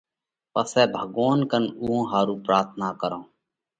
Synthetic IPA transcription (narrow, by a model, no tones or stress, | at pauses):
pəsɛːbʱəɡoːnkənuːɦõːɦaːɾuːpɾaːɾt̪ʰnaːkəɾõː